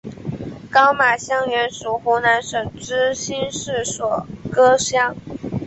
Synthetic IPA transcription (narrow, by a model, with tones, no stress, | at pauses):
kɑ˥ʊma˨˩ɕjɑ˥ŋɥɛ˧˥nʂu˨˩xu˧˥na˧˥nʂɤ˨˩ŋʈ͡ʂɻ̩˥ɕi˥nʂɻ̩˥˩swɔ˨˩kɤ˥ɕjɑ˥ŋ